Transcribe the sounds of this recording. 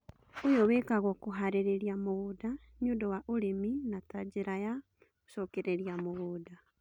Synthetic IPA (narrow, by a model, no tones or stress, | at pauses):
ojɔwekaɣɔkoɦaɾeɾeɾiamoɣoda | ɲodɔwaʔoɾeminatad͡ʑeɾaja | osɔkeɾeɾjamoɣoːda